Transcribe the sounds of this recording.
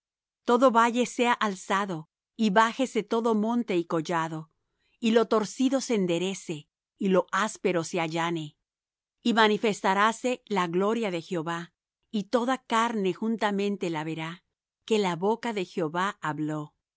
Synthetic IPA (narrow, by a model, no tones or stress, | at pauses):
t̪o̞ðo̞βaʝe̞se̞aʔalsaðo̞ | iβaxe̞se̞t̪o̞ðo̞mõ̞nt̪e̞iko̞ʝaðo̞ | ilo̞t̪o̞ɾsiðo̞seːnd̪e̞ɾe̞se̞ | ilo̞ʔaspe̞ɾo̞se̞aʝane̞ | imanife̞st̪aɾase̞laɣlo̞ɾjaðe̞xjo̞βa | it̪o̞ðakaɾne̞xunt̪amẽ̞nt̪e̞laβe̞ɾa | ke̞laβo̞kaðe̞xjo̞βaaβlo̞